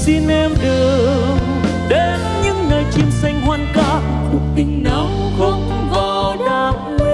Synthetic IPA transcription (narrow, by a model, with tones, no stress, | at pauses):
si˧nʔɛ˧mɗɨ˨˩ə | ŋ | ɗe˨˦nɲɨ̰˧˥ŋnəː˨˩jt͡ɕi˧msa˧jŋ̟ɦwaː˧nka˧˦ | kʊ˨˩t̪i˨˦ŋ̟nə˨˩wŋ͡m | xə˧˩ŋ͡mvɔ˨˩ | ɗa˧